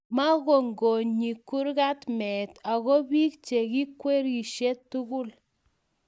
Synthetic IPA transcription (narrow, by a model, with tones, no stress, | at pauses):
ma˦ɣo˨ŋɡo˨ɲɲi˨kːu˦ɾka˦tmɛ˨ta˨ɣo˦bi˦k̚t͡ʃe˨ki˦kwe˦ɾi˨ʃe˦tːu˦ɣu˦l